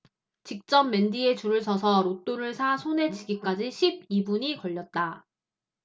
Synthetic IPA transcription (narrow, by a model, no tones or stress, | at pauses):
t͡ɕik̚t͡ɕ͈ʌmːe̞ndie̞t͡ɕuɾɯɭsʰʌsʰʌɾot͈oɾɯɭsʰasʰone̞t͡ɕiɡik͈ad͡ʑiɕʰib̚ibuɲikʌʎːʌt̚t͈a